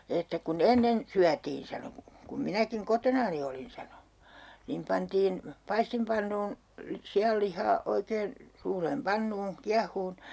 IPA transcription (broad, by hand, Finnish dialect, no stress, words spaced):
etːæ kun enːen syætiːn sɑno kum minækiŋ kotonɑni olin sɑno niːm pɑntiːn pɑistimpɑnːuːn siɑlːihˑɑː oikeːn suːreːm pɑnːuːn̞ kiɑhuːn